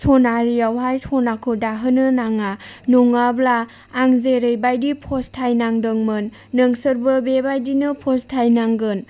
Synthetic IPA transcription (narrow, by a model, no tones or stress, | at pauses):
sɔnaɾijawɦajsɔnakʰɯdaɦɯnɯnaŋanuŋablaː | ŋzeɾɯjbajdipʰɔstʰajnaŋdɯŋmɯnː | ɯŋsɯɾbɯbebajdinɯpʰɔstʰajnaŋɡɯn